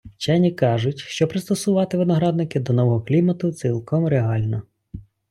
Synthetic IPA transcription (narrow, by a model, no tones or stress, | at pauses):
t͡ʃɛnʲikɑʒʊtʲʃt͡ʃɔpɾɪst̪ɔsʊʋɑt̪ɪʋɪnɔɦɾɑd̪̚nɪkɪd̪ɔnɔʋɔɦɔklʲimɐt̪ʊt̪silˠkɔmɾeɦɑlʲnɔ